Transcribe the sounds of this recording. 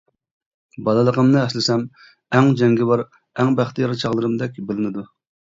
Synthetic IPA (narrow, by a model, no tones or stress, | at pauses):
bɑlˠəlˠəqʰəmnɨɛslɪsɛm | æŋd͡ʒɛŋɡʲɪbɑɾ | æŋbæχt̪ʰijɑɾɨt͡ʃʰɑʁlˠəɾɨmd̪ɛkʲbɪlɪnɪd̪u